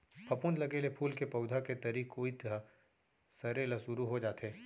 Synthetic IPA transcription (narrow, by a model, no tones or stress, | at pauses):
pʰɐpʊnd̪lɐɡelepʰuːlkepɐʊd̪ʱaket̪ɐɾiːkoːit̪a | sɐɾelɐsʊɾuɦod͡ʒaːt̪eː